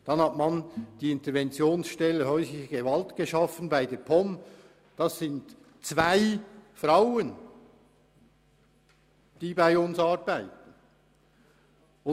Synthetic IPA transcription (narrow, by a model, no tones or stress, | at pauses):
d̥ɑnhɑtmɑnd̥iːɪntəɾvɛnt͡sjoːnsʃtɛlːəhœʏfɪçəɡ̥evɑltɡ̥eʃɑfənbaɪdeːpʰɔm | d̥ɑsɪnt | t͡svaɪfʁaʊən | d̥iːbaɪʊnsɑːɾbaɪtn̩ | ʊ